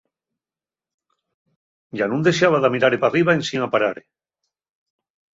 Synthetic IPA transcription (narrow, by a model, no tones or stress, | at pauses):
ɟ͡ʝanũnd̪e̞ʃeaβaðamiɾaɾepariβaensinapaɾaɾe